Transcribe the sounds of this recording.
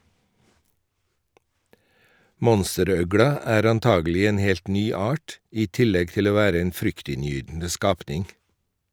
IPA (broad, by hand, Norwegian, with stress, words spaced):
ˈmɔnstəˌɾœɡɽɑ ˈæːɾ ɑnˈtɑːɡəˌlɪ ˈeːn ˈhɛlt ˈnyː ˈɑʈ ˈiː ˈtɪlɛɡ ˈtɪl ˈoː ˈʋæːɾə ˈeːn ˈfɾʏktɪnˌjyːdn̩ə ˈskɑːpnɪŋ